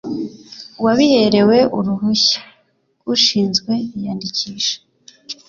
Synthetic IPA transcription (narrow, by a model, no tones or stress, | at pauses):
waβihe̞ɾe̞we̞ʔuɾuɦuçḁ | uʃiːnzɡwe̞ijaːndicʰiːʃḁ